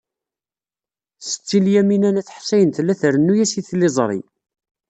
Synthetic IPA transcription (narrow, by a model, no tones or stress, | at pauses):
sə̥t͡sːiljæminænæθħsæjənt̪læθəɾənːujæsiθlezˤɾˤḭ